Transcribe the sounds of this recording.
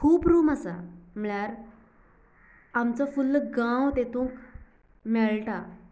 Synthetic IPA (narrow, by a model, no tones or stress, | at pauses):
kʰuːpɾuːmasa̰m̤əɭjaɾ | amt͡safulːəɡãwt̪et̪ũːk | mɛɭʈa